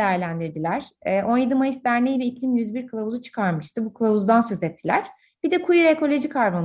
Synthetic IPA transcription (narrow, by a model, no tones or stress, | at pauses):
ejæɾlʲænd̪iɾd̪ilʲæɾ̥ɛːʔo̞njed̪imajisd̪æɾnʲejibiːclʲimjyzbiɾkʰɯlˠavuzut͡ʃʰɯ̥kʰaɾmɯʃt̪ʰɯbukʰɯlˠavuzd̪ansø̞zɛt̪ʰːilʲæɾ̥ | b̥id̪ɛkʰujiɾeko̞lʲo̞d͡ʒikʰaɾban